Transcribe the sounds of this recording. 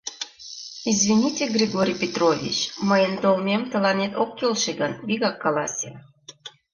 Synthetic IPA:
izvʲinʲitʲeɡrʲiɡoɾʲijpʲet̪rovʲḭt͡ɕməjənt̪olmʲemt̪əlɑnʲet̪okːelʃeɡənviɣɑkːɑlɑsʲe

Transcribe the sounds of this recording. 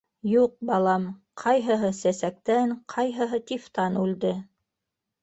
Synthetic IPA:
juq̚bɑlˠɑm | qʰɑjɦɤ̆ɦɤsæsæk̚t̪æŋqʰɑjɦɤ̆ɦɤt̪ʲift̪ɑnʉld̪ɘ

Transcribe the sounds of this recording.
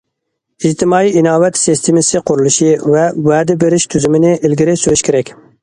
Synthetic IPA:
id͡ʒt̪ʰɪmɑːiinɑːwɛt̪sist̪ʰɪmɪsɪqʰʊɾulˠuʃivɛwɛːd̪ɪbeɾɪʃt̪ʰyzymɪnɪʔɪlɡʲɪɾɪsøɾyʃkʲʰeɾɛkʲ

